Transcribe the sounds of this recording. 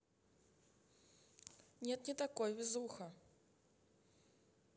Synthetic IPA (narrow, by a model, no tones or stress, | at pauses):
nʲet̪nʲɪt̪akojvʲɪzuxɐ